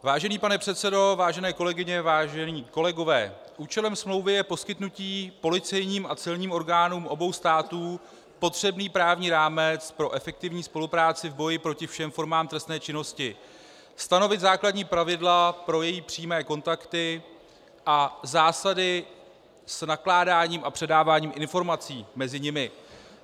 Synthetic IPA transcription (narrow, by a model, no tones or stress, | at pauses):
vaːʒɛniːpanɛpr̥ɛt̪sɛdo̞vaːʒɛnɛːko̞lɛɡɪɲɛvaːʒɛniːko̞lɛɡo̞vɛ̰ː | ʔuːt͡ʃɛlɛmsmlo̞wvɪjɛpo̞skɪt̪nuciːpo̞lɪt͡sɛjɲiːmʔat͡sɪlɲiːmo̞ɾɡaːnuːmʔo̞bo̞wst̪aːt̪uː | po̞t̪r̥ɛbniːpɾaːvɲiːɾaːmɛt͡spɾo̞ʔɛfɛk̚t̪ɪvɲiːspo̞lupɾaːt͡sɪvbo̞jɪpɾo̞cɪfʃɛmfo̞ɾmaːmt̪ɾɛst̪nɛːt͡ʃɪno̞scɪ | st̪ano̞vɪt̪zaːkladɲiːpɾavɪdlapɾo̞jɛjiːpr̥iːmɛːko̞nt̪akt̪ɪ | ʔazaːsadɪ | snaklaːdaːɲiːmʔapr̥ɛdaːvaːɲiːmʔɪnfo̞ɾmat͡siːmɛzɪɲɪmɪ